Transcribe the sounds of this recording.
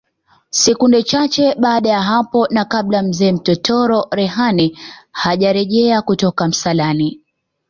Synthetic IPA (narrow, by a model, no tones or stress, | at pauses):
sɛkundɛt͡ʃat͡ʃɛɓaːɗajaɦapɔnakaɓlam̩zɛːm̩tɔtʰɔɾɔɾɛɦanɛhaʄaɾɛʄɛakutɔkam̩salani